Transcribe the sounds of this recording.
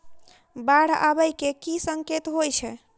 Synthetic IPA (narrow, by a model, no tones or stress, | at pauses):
baɽ̤a̰bəjkekisəŋket̪ɦojt͡ʃʰɛ